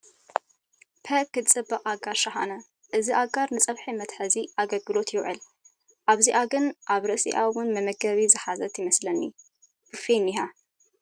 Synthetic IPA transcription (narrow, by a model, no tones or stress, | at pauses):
pʰɐkːɨt͡sʼɨbɐqʼaɡaɾʃɐxa̰nɐ | ʔɨziʔaɡaɾnɨt͡sʼɐβħimɐt̪ħɐziʔaɡɐlɡɨlo̞t̪jɪwʕɨ̰l | ʔaβziʔaɡɨnʔaβɾɨʔsḭʔawʊnmɐmɐɡɐβizɨħazɐt̪ʰjɪmɐslɐnːḭ | b̥ɨfeniɦa